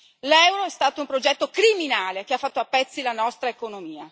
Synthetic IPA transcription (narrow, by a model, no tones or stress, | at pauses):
lɛwɾoɛst̪aːt̪oumpɾod͡ʒɛt̪ːokɾiminaːlek̟eafːat̪ːoapːɛt̪sːilanɔst̪ɾaekonomiːa